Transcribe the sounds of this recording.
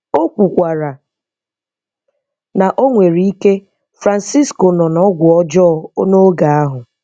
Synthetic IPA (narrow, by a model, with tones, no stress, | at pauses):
o˦kʷu˨kʷa˨ɾa˨ | na˨ʔo˦ŋʷe˨ɾi˦i˦ke˦ | fɾa˨n̩˨si˦sko˨nɔ˨nɔ˦ɡʷʊ˨ɔ˦d͡ʒɔ˦˨o˦no˦ɡa˨a˦ɦʊ˨